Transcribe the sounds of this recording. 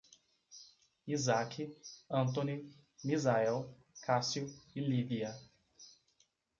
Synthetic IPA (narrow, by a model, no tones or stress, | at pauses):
izakʰiɐ̃t̪õni | mizaɛw | kʰasjʊiliviɐ